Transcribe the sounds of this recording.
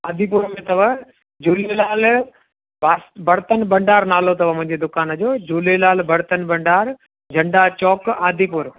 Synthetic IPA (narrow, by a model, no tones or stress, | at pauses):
aːd̪ʱipʊɾmẽt̪ɐʋə | d͡ʑuːlelaːl | baːsbɐɾt̪ənbɐ̃ɳɖaːɾnaːlot̪ɐʋ̤ə̃mʊ̃ɦɪ̃ɲd͡ʑed̪ʊkaːnəd͡ʑoːd͡ʑuːlelaːlbɐɾt̪ənbɐ̃ɳɖaːɾ | d͡ʑʱɐ̃ɳɖat͡ɕɔːkaːd̪ʱipʊɾ